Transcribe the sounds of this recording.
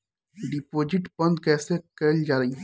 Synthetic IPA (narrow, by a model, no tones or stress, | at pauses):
ɖɪpoːd͡ʒɪʈbɐ̃nd̪kɛːsekɛld͡ʒaːɾɐi